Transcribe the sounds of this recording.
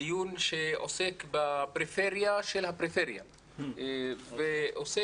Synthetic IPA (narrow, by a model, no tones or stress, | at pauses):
junʃeʔo̰sekbapɾifeʁjaʃelhapɾifeɾja̰ | veʔose